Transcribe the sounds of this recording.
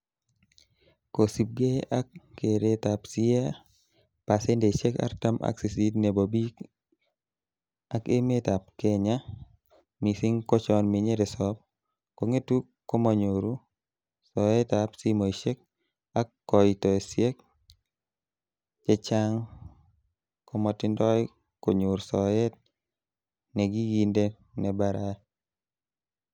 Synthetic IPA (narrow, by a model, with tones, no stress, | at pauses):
ko˨si˨p̚ɡe˦ʔa˦kːe˨ɾe˨ta˨psi˦e˦ | pa˨se˦nde˨ʃe˦ka̰ɾta˦mʔa̰˦ksi˨si˦tne˨bo˨bi˦k | a˦ke˦me˦ta˨p̚keɲa˦ | mi˨si˦ŋko˦t͡ʃɔ˦nmi˨ɲe˦ɾe˨sɔp̚ | ko˨ŋe˦tu˦kːo˦ma˨ɲoɾu˦ | sɔ˨ɛ˦tapsi˦mo˨i˨ʃe˦k̚ | a˦kːɔ˨jitɔ˨e˨sje˦k̚ | d͡ʒe˦t͡ʃa˦ŋ | ko˦mɔ˨tɪ˦ndɔ˦j | ko˨ɲo˨ɾsɔ˨ɛ˦t̚ | nɛ˨ɡi˦ɡi˦nde˦ | nɛ˨baɾa˦